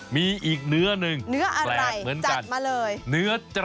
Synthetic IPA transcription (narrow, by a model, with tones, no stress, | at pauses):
miː˧ʔiː˨˩k̚nɯ˦˥ɐnɯ˨ŋnɯ˦˥ɐʔa˧lɛɾa˧˩˧jmɯ˩˦ənt͡ɕaka˧nmaː˧lɤː˧jnɯ˦˥ɐt͡ɕɾ